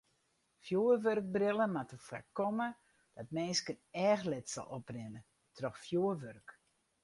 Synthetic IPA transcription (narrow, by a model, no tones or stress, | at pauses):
fjuərʋørk̚brɪlˠəmatəfa̰kɔmə | d̥ɔt̚meːskənɛːxlɪtsɔ̰lˠɔprɪnə | tʰrɔxfjuəʋørk